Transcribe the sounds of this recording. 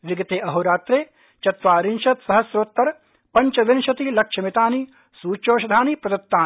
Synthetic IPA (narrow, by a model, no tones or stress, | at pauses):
ʋiɡɐt̪eːʔɐɦoːɾaːt̪ɾeː | t͡ʃɐt̪ʋaːɾinʃɐt̪sɐɦɐsɾoːt̪ːɐɾ | pɐɲt͡ʃɐʋɪnʃɐt̪ilɐkʃɐmit̪aːni | suːt͡ʃoːʃɐd̪ʱaːnipɾɐd̪ɐt̪ːaː